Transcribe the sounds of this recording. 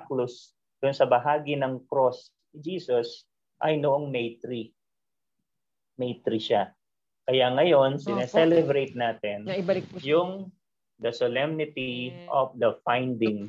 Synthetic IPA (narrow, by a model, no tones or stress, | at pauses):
klʊs | d̪̥ʊnsɐbɐɦaːɡinɐŋkɾos | ɪd͡ʒiːsos | ʔɐjnʊʔoŋnejt̪ɾi | nejt̪ɾiʃa | kɐjaŋɐjo̞nsɪnɛsɛlɛbɾejt̪̚naːt̪ɛnɪbɐlɪkjʊŋ | d̪ɐsolɛmnɪt̪iʔofd̪ɐfajnd̪ɪŋ